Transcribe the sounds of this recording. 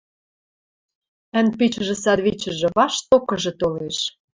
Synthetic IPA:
ə̆npit͡ɕə̆ʒĕsɑd̪βit͡ɕə̆ʒĕβɑʃt̪okɤ̆ʒɤ̆t̪oleʃ

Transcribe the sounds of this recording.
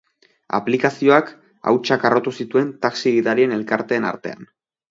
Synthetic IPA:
a̰plikasio̞ak | a̰wt͡ʃakaro̞t̪usit̪ue̞nt̪aksiɣiðaɾie̞ne̞lkaɾt̪e̞ːna̰ɾt̪e̞̰a̰n

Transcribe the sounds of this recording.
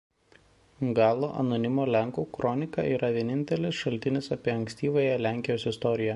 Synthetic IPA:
ɡɑːlˠoːʔɐ̰nonʲɪmoːlʲɛŋˑkuːkɾɔnʲɪkɑ̰ʔiːɾɐʋʲiɛnʲɪnʲt̪ʲɛlʲɪsʃɐlʲt̪ʲɪnʲɪsɐpʲiɛɐŋʲksʲt̪ʲiːʋɐjɛlʲæˑŋʲkʲɪjoːsɪst̪ɔɾʲɪjɛ

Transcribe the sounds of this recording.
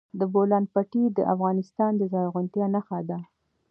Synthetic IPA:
d̪əbolɑnpaʈid̪əʔafɣɑnɪst̪ɑnd̪əzɑjɣʊnt̪jɑnaxad̪a

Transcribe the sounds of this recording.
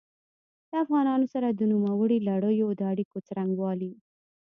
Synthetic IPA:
d̪̥əafɣɑnɑnosaɾad̪ənumawəɽilaɽəjod̪əaɽikot͡saɾaŋɡwɑli

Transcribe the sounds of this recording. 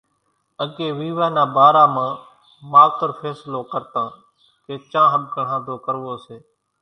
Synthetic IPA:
əɡeːʋiːʋaːnãːbaːɾaːmãː | maːt̪əɾpʰɛːsloːkəɾt̪ãː | keːt͡ʃãːɦəɓ̚kəɳ̤ãːd̪oːkəɾʋoːseː

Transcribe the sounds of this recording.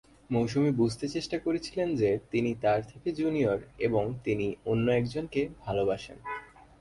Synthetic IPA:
mowʃumibud͡ʑʱt̪et͡ɕeʃʈakoɾet͡ɕʰilend͡ʑet̪init̪aɾt̪ʰeked͡ʑunioɾeboŋt̪inionːoɛkd͡ʑonkebʱalobaʃḛn

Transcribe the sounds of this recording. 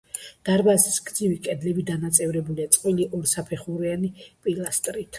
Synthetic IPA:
d̪̥aɾbasisɡd̪zivikʼɛd̪lɛbid̪anat̪sʼɛvɾɛbuliat̪sʼqʼwiliʔɔɾsapʰɛχuɾianipʼilˠast̪ʼɾit̪ʰ

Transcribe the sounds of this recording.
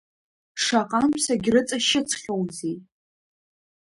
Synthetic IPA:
ʂaqʼamsaɡʲrɨt͡sʼaʃɪt͡sʰχʲowzi

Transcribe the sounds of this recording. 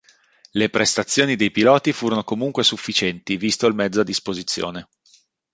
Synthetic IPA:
lepɾest̪at̪sːjoːnid̪ejpilɔːt̪ifuːɾonokomuŋkwesufːit͡ʃɛnt̪ivist̪olmɛd̪zːoad̪ːispozit̪sːjo̰ːne

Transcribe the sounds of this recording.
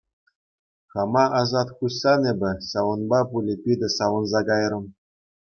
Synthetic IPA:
χɑmɑʔɑzɑt̪χuɕːɑnebʲɘ̆ɕɑʋɤ̆nbɑpulʲɘ̆pʲidʲɘ̆sɑʋɤ̆nzɑkɑjrɤ̆m

